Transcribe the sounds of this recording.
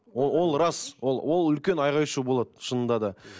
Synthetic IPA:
owo̞lˠɾɑswolˠwʔo̞lˠʏlkʲe̞nɑjʁɑjʃəbo̞lˠɑd̪əʃənənd̪ɑd̪ə

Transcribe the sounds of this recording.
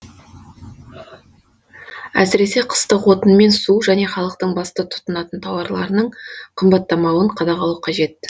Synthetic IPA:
æ̰sɪɾe̞se̞qʰə̥st̪əqwo̞t̪ənme̞nsuʒæne̞χɑlˠəq̚t̪əɴbɑst̪ət̪ʰʊ̥t̪ənɑt̪ənt̪ʰɑwɑɾlˠɑ̰ɾənəɴqʰəmbɑt̪ːɑmɑwəɴqʰɑd̪ɑʁɑlˠəqʰɑʒe̞t̪

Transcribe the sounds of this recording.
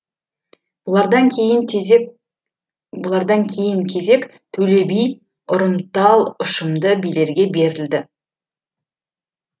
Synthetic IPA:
ɑɾd̪ɑŋʰej | bʊlˠɑɾd̪ɑŋkʲʰe̞jɪŋkʲʰe̞ze̞k | t̪ʰɵle̞bij | ʊɾəmt̪ɑlˠʊʃəmd̪əbijle̞ɾɡʲe̞be̞ɾɪld̪ɪ

